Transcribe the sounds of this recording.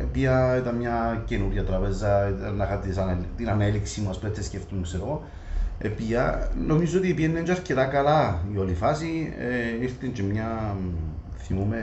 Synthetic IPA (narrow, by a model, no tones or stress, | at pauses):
epiɐet̪ɐnmɲacenuɾʝat̪ɾɐpezːɐnaxat̪isant̪inaneliksimuɐspɾet̪sesceft̪uŋkseɾo | ḛpiɐnomiz̬oot̪ipienːend͡ʒɐɾcet̪akɐlaiolifasieiɾt̪int͡ʃemɲa | θimume